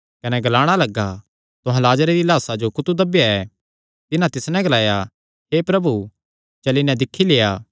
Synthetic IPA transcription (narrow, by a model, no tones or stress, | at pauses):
kɐnɛɡɐlaːɽ̃alɐɡːa | t̪ʊɦãlaːd͡ʒɾeɾilaːsad͡ʒokʊt̪ud̪ɐbjaɛː | t̪ɪnãt̪ɪsnɛ̃ɡɐlaːja | ɦepɾɐbu | t͡ʃɐlinɛ̃d̪ɪkʰːileːaː